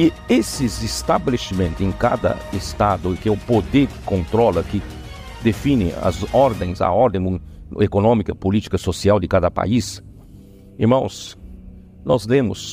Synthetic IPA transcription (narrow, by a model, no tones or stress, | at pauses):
ɪ | esɪzɪst̪abelesimẽnt̪ʊẽj̃ka̰d̪ɐ̰est̪ad̪ʊkɪɛʊpod̪eɾkɪ̥kõnt̪ɾɔlɐkɪ | d̪efinɪ̰ɐ̰zɔɾd̪ẽj̃zɐ̰ɔɾd̪ẽj̃ekonõmikɐpolit͡ʃ̪i̥kɐsosiawd̪ɪkad̪ɐpa̰is | eɾmɐ̃w̃s | nɔzlẽmʊs